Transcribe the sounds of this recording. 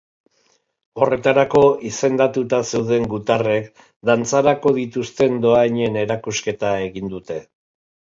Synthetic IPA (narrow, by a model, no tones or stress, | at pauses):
o̞re̞t̪aɾako̞ise̞nd̪at̪ut̪ase̞wðe̞ŋɡut̪are̞k | d̪ant͡saɾako̞ðit̪ust̪e̞nd̪o̞aɲe̞ne̞ɾakuske̞t̪ae̞ɣind̪ut̪e̞